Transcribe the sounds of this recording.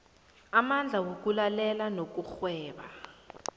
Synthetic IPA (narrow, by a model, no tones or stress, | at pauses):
amand͡ɮʱawok̬ulalɛlanok̬uxwɛːɓa̰